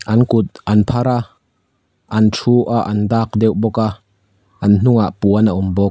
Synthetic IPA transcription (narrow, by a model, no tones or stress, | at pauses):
ʔɐnkʊt̪̚ɐnpʰaɾaʔ | ʔɐntʰuːʔaʔɐndaːk̚dɛwbɔkaʔ | ʔɐnn̥ʊŋaʔpuənaʔumbɔk̚